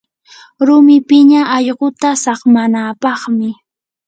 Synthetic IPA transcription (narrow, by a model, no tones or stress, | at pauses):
ɾʊmɪpɪɲaɑʎɢot̪asɑχmanaːpɑχmɪ